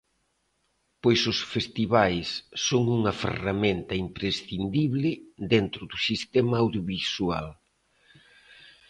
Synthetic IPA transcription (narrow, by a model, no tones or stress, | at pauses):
pojsʊsfest̪iβajsːoŋuŋɐfḛrament̪ɐimpɾesθind̪iβlɪd̪ent̪ɾʊdʊsist̪ɛmɐːwðjoβisua̰l